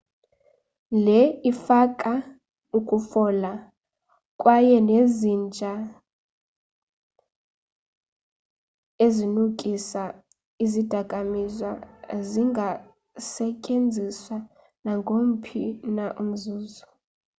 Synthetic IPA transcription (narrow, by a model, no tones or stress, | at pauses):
lɛifakʼa | ukʼufɔla | kʼwajɛnezind͡ʒʱa | ezinukʼisa | izid̥ʱakʼamizwaziŋɡʱa | sɛcʼend͡zʱiswa | naŋɡʱom̩pʰinaʔum̩zuːzɔ